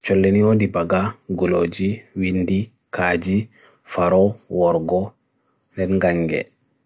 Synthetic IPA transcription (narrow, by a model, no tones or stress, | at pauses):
t͡ʃɔlːeniwodibaɡaɡɔlod͡ʒiwindi | kaːd͡ʒi | faɾɔwɔɾɡɔ | ndɛnɡaŋɡɛ̰